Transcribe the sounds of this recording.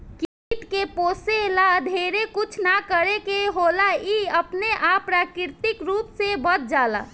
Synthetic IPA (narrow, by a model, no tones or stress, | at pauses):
ki | ʈkepoːselad̪ʱeɾekut͡ʃʰnakəɾekeɦolaiəpneʔapːɾakɪɾt̪ikɾuːpsebət̪̚d͡ʒaːla̰